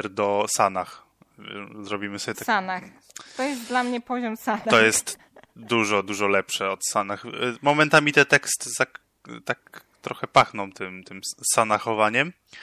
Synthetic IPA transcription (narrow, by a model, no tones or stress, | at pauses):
ɾd̪ɔsanax | vɛ̰zɾɔbʲimɘsɔbʲjɛt̪asanax | t̪ɔjɛst̪d̪lamɲɛpɔʑɔmsanat̪ɔjɛst̪ | d̪uʐɔd̪uʐɔlɛpʂɛɔt̪sanaxmɔmɛnt̪amʲit̪ɛt̪ɛkst̪ɘzak | t̪ak̚ | t̪ɾɔxɛpaxnɔ̃w̃t̪ɘmt̪ɘmsanaxɔvaɲɛm